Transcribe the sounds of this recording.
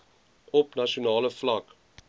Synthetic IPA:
ɔpnɑʃunɑːləflɐk

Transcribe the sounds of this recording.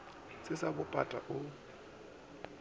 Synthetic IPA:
sɪsabʊpʼa̰tʼa̰ʔʊ

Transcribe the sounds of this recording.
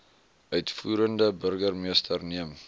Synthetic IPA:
œɥtfuːɾəndəbərɡərmiəstərniəm

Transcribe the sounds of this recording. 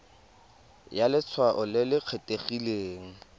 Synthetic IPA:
jalɪt͡sʰwaʔʊlɪlɪq͡χʰetʼeχileːŋ̩

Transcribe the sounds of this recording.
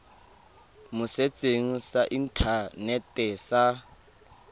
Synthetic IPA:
mʊset͡sʼeŋ̩saʔin̩tʰanɛtʼɛsa

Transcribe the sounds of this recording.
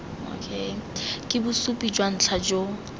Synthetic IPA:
o̰kʰekʼɪbʊsupʼid͡ʒwan̩t͡ɬʰad͡ʒo

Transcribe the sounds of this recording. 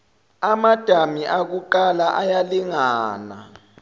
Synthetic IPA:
amad̥ʱamiʔaɣuǃalaʔajaliŋaːna̰

